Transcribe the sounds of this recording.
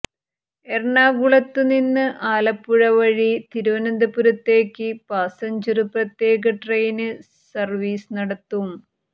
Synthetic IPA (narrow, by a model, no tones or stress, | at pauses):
erɳaːɡuɭɐt̪ːɨninːɨʔaːlɐpːuɻɐʋɐɻit̪iɾuʋɐnɐnd̪ɐpːuɾɐt̪ːe̞ːkʲːɨpaːsɐɲd͡ʑɐrɨprɐt̪je̞ːɡɐʈrejnɨ | sɐrʋiːsɨnɐɽɐt̪ːum